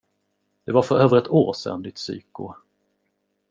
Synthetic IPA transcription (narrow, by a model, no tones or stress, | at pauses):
d̪̥ɛvaɾfœɾøːvəɾɛt̪ʰoːɾsɛ̰nd̪ɪt̪sy̰ːkʊ̰